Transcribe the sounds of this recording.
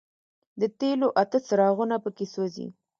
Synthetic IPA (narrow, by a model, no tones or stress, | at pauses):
d̪ət̪eloʔat̪əsəɾɑɣunapəkesozḭ